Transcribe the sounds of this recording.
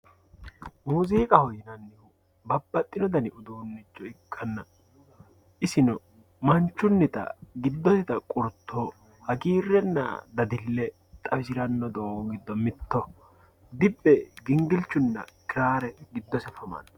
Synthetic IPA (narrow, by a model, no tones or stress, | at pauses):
muːziːkʼɐhɔjɪnɐnːɪhu | bɐbːɐt̪ʼːɪnɔd̪ɐnɪʔʊd̪uːnːɪt͡ʃːɔɪkʰːɐnːɐ | ʔɪsɪnɔ | mɐnt͡ʃːʊnːɪt̪ɐ̰ɡɪd̪ːɔsɛt̪ɐkʼʊɾt̪ʰːo | hɐɡiːrːɛnːɐ̰d̪ɐd̪ɪlːɛ | t̪ʼɐfɪsɪɾɐnːɔd̪oɡɪd̪ːɔmɪt̪ːɔ | d̪ɪbːɛɡɪŋɡɪlt͡ʃːʊnːɐ̰kɪɾaːɾɛɡɪd̪ːɔsɛfɐmɐ̰n